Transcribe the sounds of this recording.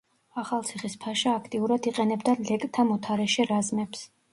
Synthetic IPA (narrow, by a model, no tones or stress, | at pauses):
aχalˠt̪sʰiχispʰaʃaːkʰt̪ʼiuɾad̪iqʼɛnɛbd̪alɛkʼt̪ʰamɔt̪ʰaɾɛʃiɾazmɛps